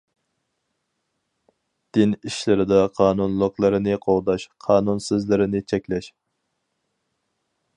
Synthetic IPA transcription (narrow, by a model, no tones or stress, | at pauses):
d̪̥ɪniʃlɪɾɪd̪ɑqʰɑːnunlˠəqlˠɨɾɨnɪqʰolˠd̪ɑʃqʰɑːnunsɪzlɪɾɪnɪt͡ʃʰɛkʲlɛʃ